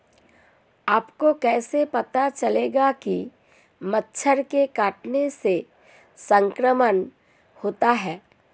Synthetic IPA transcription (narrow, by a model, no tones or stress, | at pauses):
aːpkokɛːsepɐt̪at͡ʃɐleːɡaki | mətːʃʰəɾkekaːʈnese | sə̃ŋkɾəmən | hoːt̪aɦɛː